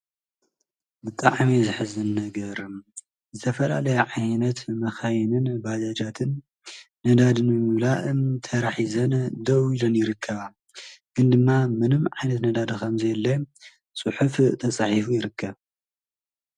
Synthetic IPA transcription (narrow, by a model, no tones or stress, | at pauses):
bɨt̪ʼaʕmizɨħɨzɨnːɐɡɐɾɨ | zɨt̪ʰɐfɐla̰lɐjɐʕajnɐt̪mɐxajnɨnbad͡ʒad͡ʒat̪ʰɨnː | ɐd̪ad̪ɨnbɨmɨβlaʔɨmt̪ʰɐɾaħizɐnd̪ɐwilonjɪɾɨkʰːɐβa | ɡ̥ɨnd̪ɨmːamɨnɨmʕajnɐt̪nɐd̪ad̪ɐkʰɐmzelːe | sʼɨħuft̪ʰɐsʼaħifujɪɾɨkʰːɐβ